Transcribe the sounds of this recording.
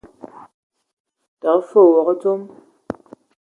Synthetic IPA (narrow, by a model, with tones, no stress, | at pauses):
ta˨˦fo˦˨wɔ˨kə˦d͡zo˦m